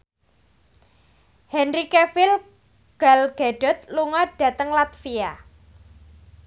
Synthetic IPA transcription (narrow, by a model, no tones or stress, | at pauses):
hɛnrikefɪl | ɡ̥alɡ̥aɖ̥ɔ̤t̪luŋɔɖ̥ä̤t̪əŋlat̪fia